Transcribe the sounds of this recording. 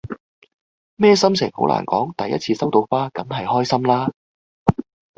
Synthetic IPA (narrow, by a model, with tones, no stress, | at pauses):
mɛː˥sɐ˥msɪ̰˨˩ŋho˨˥wla̰ː˨˩nkɔ̰ː˨˥ŋt̪ɐ˨jːɐ̰˦˥t̚t͡sʰiː˧sɐ˥wt̪o˧wfaː˥kɐ˨˥mɦɐ˨jhɔː˥jsɐ˥mlaː˥